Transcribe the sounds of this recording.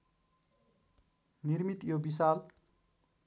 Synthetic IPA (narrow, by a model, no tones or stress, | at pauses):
nirmit̪jobisal